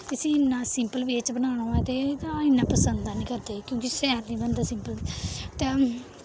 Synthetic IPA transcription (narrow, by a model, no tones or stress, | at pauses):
k̪ɪsĩːɪnːãːsɪmpəlʋeːt͡ʃbənaːɽ̃õːɛːt̪eːt̪ãːɪnːãːpəsənd̪aːnĩːkəɾd̪eːkjõːkiʃɛːɾnĩːbənd̪aːsɪ̃mpəlt̪eː